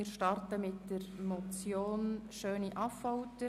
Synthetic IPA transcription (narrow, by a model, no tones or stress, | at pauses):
ɪɾʃtɑrtəmɪtdəɾmɔt͡sjoːnʃøːniʔɑfɔwtə